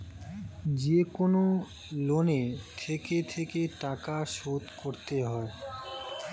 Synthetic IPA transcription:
d͡ʑekono | lonet̪ʰeket̪ʰekeʈakaʃot̪koɾt̪eɦɔe

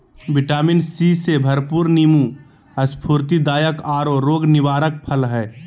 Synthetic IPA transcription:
bɪʈaːmɪnsisebʱəɾpuːɾnimu | əspʰuːɾt̪id̪aːjəkaːɾoɾoːɡnɪʋaːɾək̚pʰəlɦɛː

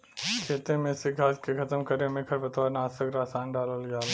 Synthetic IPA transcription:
kʰeːt̪ẽmẽsɪɡʱaːskekʰɐt̪əmkɐɾemẽkʰɐɾbɐt̪ʋaːɾnaːsəkɾaːsaːnɖaːləlɡaːl

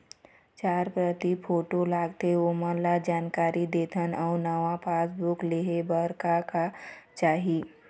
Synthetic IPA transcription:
t͡ʃaːɾpɾət̪ipʰoːʈolaːɡt̪eoməlad͡ʒaːnkaːɾid̪eːt̪ʰənɔːnaʋapʰaːsbʊkleːɦebəɾkakat͡ʃaːɦi

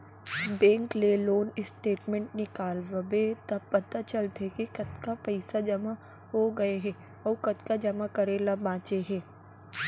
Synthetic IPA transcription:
bɛ̃ːŋkleloːnɪsʈeːʈmɛ̃ɳʈ̚nɪkaːlʋəbet̪ɐbpːɐt̪at͡ʃɐlt̪ʰekikɐt̪kapɐɪsad͡ʒɐma | ɦoɡɐeɦɛ̃ː | ɔːkɐt̪kad͡ʒɐmakɐɾeːlabãːt͡ʃeɦɛ̃ː

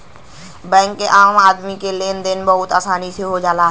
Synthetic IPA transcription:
bɛ̃ːŋkːeʔaːmaːd̪mikeleːnd̪ɪnbəɦʊt̪aːsaːnisʰoɦod͡ʒaːlaɦ

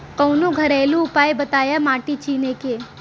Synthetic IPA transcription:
kəwnũɡʱəɾɛːlũːpaːjbət̪aːjamaːʈit͡ʃʰiːneke

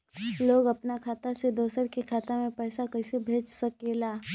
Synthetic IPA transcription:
loːɡɐpnakʰaːt̪ased̪oːsəɾkikʰaːt̪amẽpɛːsakɐɪsebʱeːd͡ʒsɐkelaː

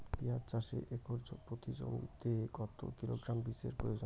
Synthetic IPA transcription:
piat͡ɕaʃḛʔekʰoɾd͡ʑopɾot̪id͡ʑo̰mḭt̪eɡɔt̪o̰kiloɡɾambisḛɾpɾojod͡ʑo

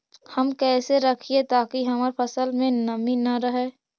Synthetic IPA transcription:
hɐmkɛːseɾəkʰiet̪aːkiɦɐmaːɾpʰəsəlmẽnɐminɐɾəɦɛː

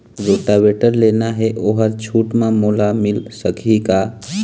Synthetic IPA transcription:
ɾoːʈabeːʈəɾleːnaɦɛʔoːɦəɾt͡ʃʰuːʈmẽmolamɪlsəkʰika

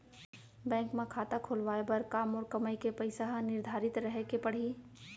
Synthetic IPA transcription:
bɛ̃ːŋkmẽkʰaːt̪akʰoːlʋaːebɐɾkaːmɔːɾkɐmajkepɐɪsaɦnɪɾd̪ʱaːɾɪt̪ɾəɦekepɐɽ̤i

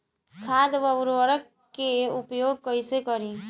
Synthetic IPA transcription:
kʰaːd̪ʋəwɾʋəɾək | keʊpjoːɡ̚kəisekəɾĩ

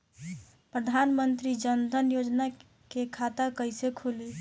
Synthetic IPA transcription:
pɾəd̪ʱanmənt̪ɾid͡ʒənd̪ʱənjod͡ʒna | kekʰat̪akəɪsekʰuli

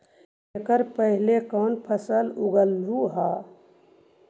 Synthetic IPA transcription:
ekəɾpəɦɪlekɔːnpʰəsəlʊɡəluɦaː

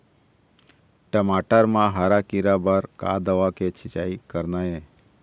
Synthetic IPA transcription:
ʈəmaʈəɾmãɦaɾakiɾabəɾka̰d̪əʋaket͡ʃʰit͡ʃaikəɾnae

